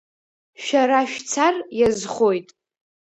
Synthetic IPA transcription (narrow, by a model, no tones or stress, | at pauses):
ʃᶣaɾaʃᶣt͡sʰarjazχojtʼ